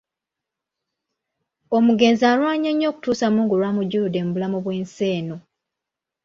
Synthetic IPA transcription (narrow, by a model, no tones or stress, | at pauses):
omuɡe̞ːnziaːlwaːɲeɲːo̞ːku̥tuːsamuːŋɡulwaːmuɟuude̞ːmbulamoβwe̞ːnse̞ːno